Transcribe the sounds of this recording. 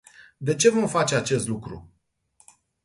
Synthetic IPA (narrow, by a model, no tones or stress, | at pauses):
d̪e̞t͡ʃe̞vo̞mfat͡ʃe̞at͡ʃe̞st̪lukɾṵ